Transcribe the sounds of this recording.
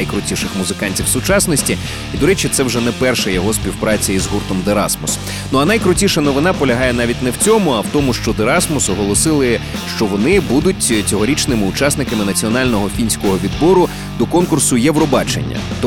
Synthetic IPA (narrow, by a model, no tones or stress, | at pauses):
jkɾʊtʲiʃɪxmʊzɪkɑnʲtʲiwsʊt͡ʃɑsnɔsʲtʲi | id̪ɔɾɛt͡ʃɪt̪sɛwʒɛnɛpɛrʃɛjɔɦɔsʲpʲiwpɾɑt͡sʲɐjizɦurt̪ɔmd̪eɾɑ̰smɔs | nuɐnɐjkɾʊtʲiʃɐnɔʋɪn̪ɑpɔlʲɐɦɑjɛnɑʋʲitʲnɛwt͡sʲɔmʊɐwt̪ɔmʊʃt͡ʃɔd̪eɾɑsmɔsɔɦɔlˠɔsɪlˠɪ | ʃt͡ʃɔʋɔnɪbud̪ʊtʲt͡sʲɔɦɔɾʲit͡ʃnɪmɪʊt͡ʃɑsnɪkɐmɪnɐt͡sʲiɔnɑlʲnɔɦɔfʲinʲsʲkɔɦɔʋʲid̪bɔɾʊ | d̪ɔkɔnkʊrsʊjɛwɾɔbɑt͡ʃḛnʲːɐ̰t̪